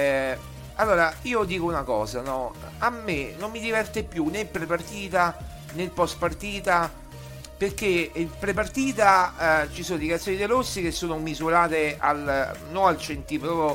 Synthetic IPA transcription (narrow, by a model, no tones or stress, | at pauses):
alːoːɾaiːod̪iːkounakɔ̰ːzanɔ | amːenomːid̪ivɛrt̪epjunepːɾepart̪iːt̪a | nelpɔst̪part̪iːt̪a | perk̟epɾepart̪iːt̪at͡ʃisoːnod̪ekat̪ːoːnid̪eɾosːik̟esːoːnomizuɾaːt̪ea̰lnonalt͡ʃent̪ipɾɔo